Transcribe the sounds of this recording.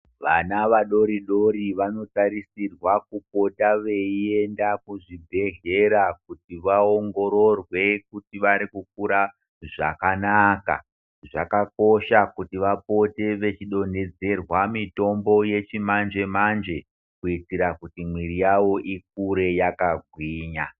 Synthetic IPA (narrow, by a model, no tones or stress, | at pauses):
ʋa̰naʋaɗo̞ɾiɗo̞ɾiʋano̞taɾisirwakup̚o̞taʋe̞ie̞ndakuʐibʱe̞ɦe̞ɾak̚utiʋaoŋɡo̞ɾo̞rwe̞k̚utiʋaɾikuk̚uɾa | ʐa̰kanaka̰ | ʐakako̞ʃakutiʋapo̞te̞ʋe̞t͡ʃiɗo̞ne̞d͡ze̞rwamito̞mbo̞je̞t͡ʃimand͡ʒe̞mand͡ʒe̞ | kuitiɾakutimwiɾijawo̞ʔik̚uɾe̞jakaɡʱwiːɲa